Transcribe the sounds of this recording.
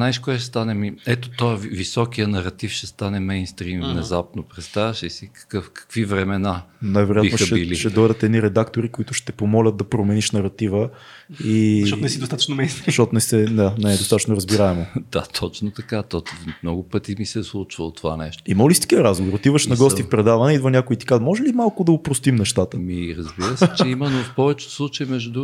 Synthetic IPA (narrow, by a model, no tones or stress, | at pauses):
najʃkoɛʃɛst̪anɛmiɛt̪ot̪ɔjəvisɔkijənɐɾɐt̪ifʃɛst̪anɛmɛjnst̪ɾimvnɛzap̚nopɾɛt̪st̪avəʃisikɐ̥kɤfkɐ̥kvivɾɛmɛnanajvɛɾojainʃɛiliʃɛd̪ɔjd̪ɐt̪ɛd̪niɾɛd̪akt̪oɾikoit̪ʊʃt̪ɛpomɔlʲət̪̚d̪ɐpɾomɛniʃnɐɾɐt̪ivə | iʃɔnɛsid̪ost̪at̪ət͡ʃnomɛjnst̪ɾiʃtɔt̪onɛsɛnanɛd̪osat̪ət͡ʃʃnoɾəzbiɾaɛmod̪̥a̰t̪ʰɔt͡ʃnot̪ɐkat̪ɔmnɔɡʊpət̪imisɛslˠut͡ʃvə̰lˠot̪ova̰nɛ̰ʃt̪o̥iməlist̪i̥kiɾazɡovoɾot̪ivəʃnɐɡɔst̪ifpɾɛd̪avɐnɛid̪vɐnʲakʊit̪i̥kat̪mɔʒɛlimalˠkʊd̪ɐopɾost̪imnɛʃt̪at̪əmiɾɐzbiɾəsɛt͡ʃɛimɛnːofpɔvɛt͡ʃɛ̥slˠut͡ʃəimɛʒd̪u